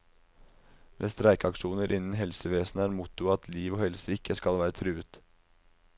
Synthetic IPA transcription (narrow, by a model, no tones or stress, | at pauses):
mʔḛːst̪ɾæɪkɑkʂuːnəɾʔɪnn̩ɦɛlsəʋeːsn̩æːɾmʊt̪ʊɑt̪ʰliːʋoːhɛlsəɪkːəskɑlʋæːɾət̪ʰɾʉːət̪